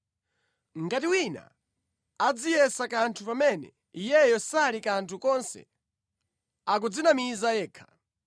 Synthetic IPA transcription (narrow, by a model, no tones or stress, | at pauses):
ŋɡatiwina̰ | ad͡zijɛsakantʰupamɛnɛ̰ | ijɛjɔsalikantʰukɔnsɛ̰ | akud͡zinamizajɛːkʰḁ